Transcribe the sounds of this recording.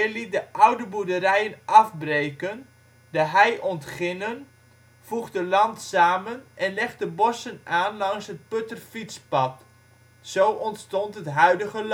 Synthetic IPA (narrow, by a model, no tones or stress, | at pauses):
ɪlit̚dəʔawdəbudəɾɛjənɑfbreːkən | daɦɛjʔɔntχɪnən | fuχdəlɑntsaːmənʔɛnlɛχt̚dəbɔsənaːnlɑŋsɦət̚pøtərfitspɑt | sowʔɔntstɔntɦətɦœɥdəɣəl